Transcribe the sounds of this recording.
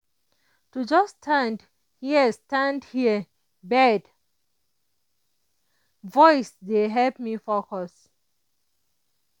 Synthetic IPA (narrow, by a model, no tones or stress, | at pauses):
tud͡ʒʌstʰãnd | hiəstãndhiə | bɛd | vɔɪsdeɦɛlpmifokɔs